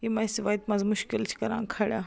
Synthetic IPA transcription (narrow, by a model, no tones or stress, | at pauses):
jimãsʋaːjt̪mɐ̃zmʊʃkɪlt͡ʃʰkɐɾã̰ːŋkʰaɽjaː